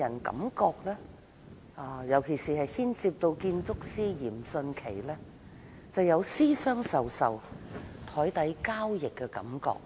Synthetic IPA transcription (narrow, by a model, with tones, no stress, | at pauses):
ɐ˨˩nkɐ̰˨˧˥mkɔː˧k̚lɛː˥ | ʔaː˧jɐ˨˩wkʰe˨˩jsiː˨hɐ˨jhiː˥nsiː˧p̚t̪o˧wkiː˧nt͡sʊ˥k̚siː˥jiː˨˩msɵ˧nkʰḛ˨˩jlɛ˥ | t͡sɐ˨wjɐ˨˧wsiː˥sœː˥ŋsɐ˨wsɐ˨wt̪ʰɔː˨˥jt̪ɐ˨˥jkaː˥wjɪ˨kːɛ˧kɐ̰˨˥mkɔ̰ː˧k̚